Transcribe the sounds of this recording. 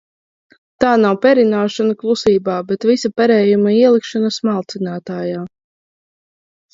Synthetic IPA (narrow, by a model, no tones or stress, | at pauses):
t̪aːnawpʲɛɾinaːʃanaklˠusiːbaːbɛt̪visapaɾɛːjumaiɛlˠikʃanɐsmalˠt̪sinaːt̪aːjaː